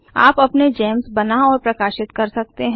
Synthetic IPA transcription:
a̰ːpɐpned͡ʒɛːmzbɐnaɔːɾpɾɐkaːʃɪt̪kɐɾsɐk̚t̪eɦɛ̃

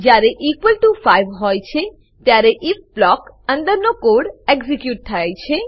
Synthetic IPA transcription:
d͡ʑaɾeʔikʋəlʈufajbɦɔjt͡ʃʰe | t̪jaɾeʔipblɔk | ə̃nd̪əɾnokoɽekzikjuʈ̚t̪ʰaajt͡ɕʰe

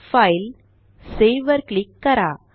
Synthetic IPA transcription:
faɪl | seːʋɐɾkɭɪkːɐɾa̰ː

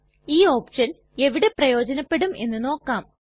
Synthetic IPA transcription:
iːo̞ːpɕɐn | e̞ʋiɽe̞prɐjo̞ːd͡ʑɐnɐpːe̞ɽumʔe̞̰nːɨno̞ːkːaːm

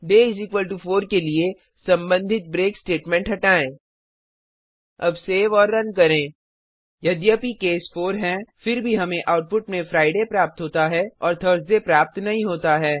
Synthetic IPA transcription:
ɖeːɪzikʋəlʈufoːɾkelie | sɐ̃mbə̃nd̪ʱɪt̪̚bɾeːksʈeːʈmɛ̃ɳʈɦɐʈaːẽː | ɐbseːʋɔːɾːɐnkɐɾẽː | jɐd̪ijaːpikeːsfoːɾɦɛ̃fɪɾbʱiɦɐmẽʔaːʊʈ̚pʊʈmẽfɾaːɪɖepɾaːp̚t̪ɦoːt̪aɦɛɔːɾt̪ʰəːɾzepɾaːp̚t̪nɐɦĩɦoːt̪aɦɛː

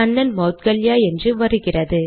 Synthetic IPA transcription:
ɐnːɐlmoːt̪̚kɐɭjaːɛndrɯʋɐrɯɣɪrɐðɯ

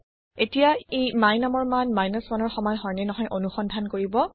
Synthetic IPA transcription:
etijaemajnamɔɹmanmajnɔsmanɔɹxɔmanɦɔɹnɛnɔɦɔjʔonuxɔndʱankoɹibɔ

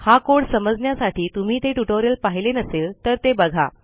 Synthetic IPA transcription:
hakoɽsəməd͡znjasaʈiːt̪um̤iːt̪eʈuʈoɾjəlpaɦilenəseːlt̪əɾt̪ebəɡʱa̰

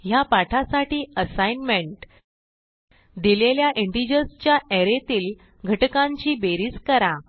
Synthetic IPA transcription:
japaʈʰasaʈiːəsajnmeɳʈ | d̪ileljaʔeɳɖid͡ʑəst͡ɕjaʔeɾet̪iːl | ɡʱəʈkãɲt͡ɕiːbeɾiːskəɾa

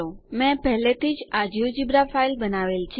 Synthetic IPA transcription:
õmɛ̃pɛɦlet̪ʰid͡ʒad͡ʒjod͡ʒibɾafailbənaʋelt͡ʃʰ

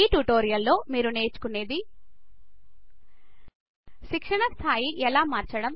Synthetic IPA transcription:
iːʈuːʈo̞ːɾijɐlːo̞ːmiːɾune̞ːɾt͡ʃu̥kuneːd̪i | ʃikʂɐɳɐst̪ʰaːjiʔɛlaːmaːɾt͡ʃɐɽɐm

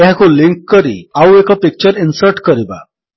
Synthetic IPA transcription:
eɦãkuliŋkːɔɾḭawekɔpik̚t͡ʃɔɾinsəɾʈkɔɾiba̰

